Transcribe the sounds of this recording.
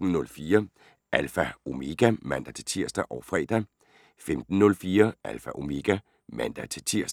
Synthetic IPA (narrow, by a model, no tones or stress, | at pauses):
d̥n̩nɔ̽lfiːɐ | ʔælfæo̝me̝ɡ̥æmæn̰d̥æt͡sʰe̝t͡sʰiɐsd̥æʔɒʊfʁɛ̰ːd̥æ | femd̥n̩nɔ̽lfiːɐʔælfæʔo̝me̝ɡ̥æ | mæn̰d̥æt͡sʰe̝t͡sʰiɐ̰sd̥